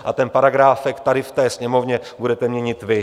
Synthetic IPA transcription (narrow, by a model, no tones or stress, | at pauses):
ʔa̰t̪ɛnpaɾaɡɾaːfɛkt̪adɪft̪ɛːsɲɛmo̞vɲɛbudɛt̪ɛmɲɛɲɪt̪vɪ